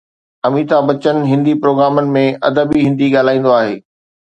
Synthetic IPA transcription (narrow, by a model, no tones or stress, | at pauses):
ɐmiːt̪abɐt͡ɕənɪ̆ɦɪ̃nd̪ipɾoːɡɾaːmənɪ̆mẽɐd̪əbiɦɪ̃nd̪iɠaːl̤aːĩːn̆d̪oaːɦeː